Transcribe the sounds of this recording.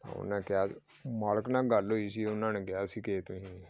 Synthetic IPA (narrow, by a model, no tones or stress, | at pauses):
t̪ã̰ːʊ̰nãːkjaː | maːləknãːɡaloiːsiːʊnãːneːkjaːsiːkeːt̪ʊɦĩː